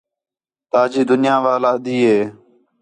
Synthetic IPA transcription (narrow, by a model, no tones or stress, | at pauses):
t̪aːd͡ʒiːd̪ʊnɪjãːʋaːlaːəd̪iːɦeː